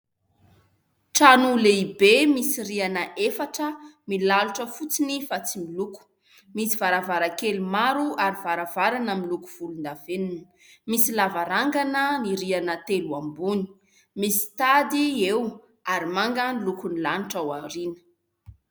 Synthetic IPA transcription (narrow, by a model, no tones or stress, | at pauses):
ʈ͡ʂanuleibemisiɾianəʔefaʈ͡ʂəmilaluʈ͡ʂəfut͡sinifat͡similuku̥ | misivaɾavaɾakelimaɾuaɾivaɾavaɾanəmiluku̥v̥ulund̪av̥eninə | misilavaɾaŋɡanəniɾianət̪eluambuni̥ | misi̥t̪ad̪iew | aɾimaŋɡənilukunilaniʈ͡ʂawaɾinə̥